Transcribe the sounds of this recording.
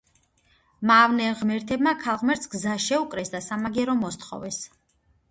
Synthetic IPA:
maːvnɛʁmɛɾt̪ʰɛbmakʰalˠʁmɛɾt̪sɡzaʃɛukʼɾɛsd̪asamaɡɛɾɔmɔst̪χɔ̰vɛs

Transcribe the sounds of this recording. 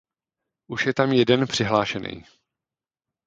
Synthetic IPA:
ʔuʃjɛt̪amjɛdɛnpr̥ɪɦlaːʃɛnɛ̰j

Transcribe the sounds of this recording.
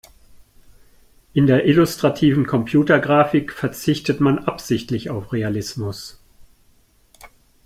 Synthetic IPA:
ʔɪndeːɐʔɪlʊstʁ̥atʰiːvn̩kʰɔmpʰj̥uːtɐɡʁaːfɪkfɛɐt͡sɪçtətmanʔapz̥ɪçtlɪçaʊfʁealɪsmʊs

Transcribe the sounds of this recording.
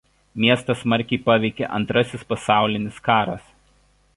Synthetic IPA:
mʲiɛst̪ɐsmɐɾʲkʲɛɪpɑːʋʲɛɪkʲɛ̰ʔɐ̰nt̪ɾɐsʲɪspɐsɑˑʊlʲɪnʲɪskɑːɾɐs

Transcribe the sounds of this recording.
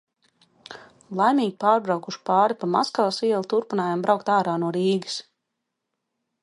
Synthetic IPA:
lˠajmiːɡʲipaːɾbɾawkuʃi̥paːɾipama̰skalˠasiɛlˠut̪uɾpinaːjambɾawkt̪aːɾaːnuɔɾiːɡə̥s

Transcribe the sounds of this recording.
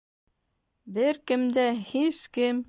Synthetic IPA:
bɘɾkɘ̆md̪æhiskɘm

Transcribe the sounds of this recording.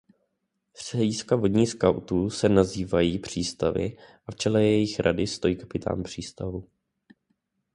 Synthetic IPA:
sr̥ɛɟiskavo̞dɲiːskawt̪uːsɛnaziːvajiːpr̝̥iːst̪avɪ̰ʔaft͡ʃɛlɛjɛjɪxɾʔadɪst̪o̞jiːkḁpɪt̪ʰa̰ːnpr̝̥iːst̪avu

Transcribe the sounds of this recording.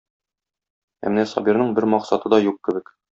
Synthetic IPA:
æ̰mnæsɒ̰biɾnɤɴbɘɾmɒqsɑt̪ɤd̪ɒjuq̚kɘ̆bɘk

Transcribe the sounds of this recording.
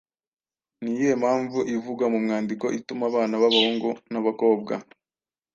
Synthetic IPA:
nijemaːɱvuʔivuɡwamumŋaːndiko̞ʔitumaβaːnaβaβahoŋɡonaβako̞ːb̚ɡa̰

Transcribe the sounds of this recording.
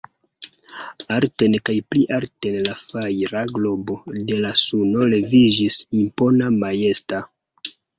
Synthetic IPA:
aɾte̞nkajpliʔaɾte̞nlafajɾaɡlo̞bo̞de̞lasuno̞le̞vid͡ʒisimpo̞namaje̞sta

